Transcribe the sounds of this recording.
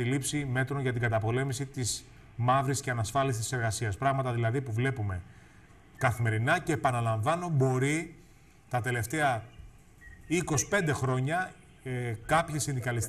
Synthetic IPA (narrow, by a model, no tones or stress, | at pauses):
ilipsime̞t̪ɾo̞ɲʝɐt̪iŋɡɐt̪ɐpo̞le̞misit̪iz | mɐvɾisceɐnɐsfɐlisi̥t̪ise̞ɾɣɐsiɐspɾɐɣmɐt̪ɐðilɐðipuvle̞pume̞ | kɐθime̞ɾinɐce̞ːpɐnɐlɐɱvɐno̞bo̞ɾi | t̪ɐt̪e̞le̞ft̪e̞ɐ | iko̞si̥pe̞nd̪e̞xɾo̞ɲɐ | kɐpçesind̪ikɐlis